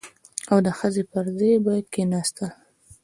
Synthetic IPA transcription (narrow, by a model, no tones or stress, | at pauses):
awd̪əxəzepəɾzejbɑjad̪̚kenɑst̪əl